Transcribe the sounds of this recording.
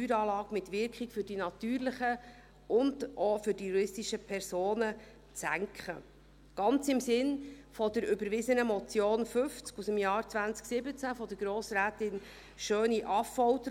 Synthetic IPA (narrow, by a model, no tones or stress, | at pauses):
yːɾɑːlɑːkmɪt̪ʋɪɾkχɪkfʏɾdinɑt̪yːɾlɪχə | ʊndɔfʏɾdijuɾɪstiʃəpʰɛɾsoːnə | t͡sæŋkχə̰ | ɡ̥ɑnt͡sɪmsɪnfɔd̪əɾʏbəɾʋɪzənəmɔt͡sjoːnfʏft͡skusəmjɑːɾt͡sʋænt͡sksɪbət͡sæfɔd̥əɾɡ̥ɾoːsɾæːtɪn | ʃøːniʔɑfɔwtə